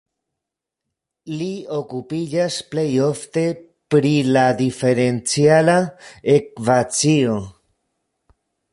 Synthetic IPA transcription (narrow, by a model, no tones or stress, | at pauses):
liokupiʎasplejoft̪e | pɾilaðifeɾent͡sjalaek̚βat͡sio